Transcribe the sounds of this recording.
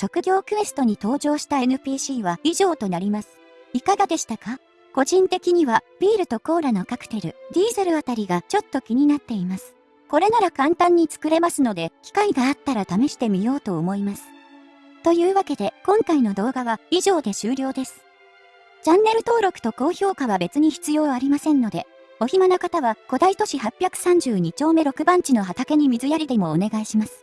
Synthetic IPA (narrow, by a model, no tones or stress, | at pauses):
ɕo̞kɯ̟ɡʲo̞ːkɯ̟e̞sɨ̥t̪o̞ɲ̟it̪o̞ːʑo̞ːɕi̥t̪ae̞nɯ̟pʲiːɕiːβaiʑo̞ːt̪o̞naɾʲimasɨ̥ | ikaɡad̪e̞ɕi̥t̪aka | ko̞ʑĩnt̪e̞kʲiɲ̟iβab̥ʲiːɾɯ̟t̪o̞ko̞ːɾano̞kakɯ̟̥t̪e̞ɾɯ̟d̪ʲiːzeɾɯ̟at̪aɾʲiɡat͡ɕo̞t̪ːo̞kʲiɲ̟inat̪ːe̞imasɨ̥ | ko̞ɾe̞naɾakãnt̪ãɲ̟ːit͡sɨ̥kɯ̟ɾe̞masɨno̞d̪e̞kʲi̥kaiɡaːt̪ːaɾat̪ame̞ɕi̥t̪e̞mʲijo̞ːt̪o̞ːmo̞imasɨ̥ | t̪o̞jɯ̟ːβake̞d̪e̞kõ̞ŋkaino̞d̪o̞ːɡaβaiʑo̞ːd̪e̞ɕɨːɾʲo̞ːd̪e̞sɨ̥ | d͡ʑãnːe̞ɾɯ̟t̪o̞ːɾo̞kɯ̟̥t̪o̞ko̞ːço̞ːkaβabe̞t͡sɨɲ̟içi̥t͡sɨjo̞ːaɾʲimasẽ̞nːo̞d̪e̞ | o̞çimanokat̪aβako̞d̪ait̪o̞ɕiɦapʲjakɯ̟̥sãɲ̟d͡ʑɨːɲ̟it͡ɕo̞ːme̞ɾo̞kɯ̟bãɲt͡ɕino̞ɦat̪ake̞ɲ̟imʲizɨjaɾʲid̪e̞mo̞ːne̞ɡaiɕimasɨ̥